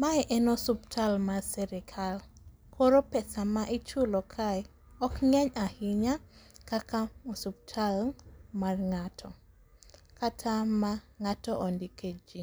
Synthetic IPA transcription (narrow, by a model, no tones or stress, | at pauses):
maɛʔɛnɔsuptʰalmasɛɾɛkʰal | kʰoɾopɛsamaʔit͡ʃulɔkʰaj | ɔkŋɛɲahɪɲakakamosup̚tʰalmarŋatʰɔ | katʰamaŋatɔʔɔndiked͡ʒi